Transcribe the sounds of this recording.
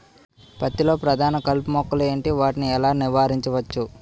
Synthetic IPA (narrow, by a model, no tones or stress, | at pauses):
pɐt̪ːilo̞ːpɾɐd̪ʱaːnɐkɐlpumɔkːɐleːɳʈiʋaːʈiniɛlaːniʋaːɾiɲt͡ʃɐʋɐt͡ʃːu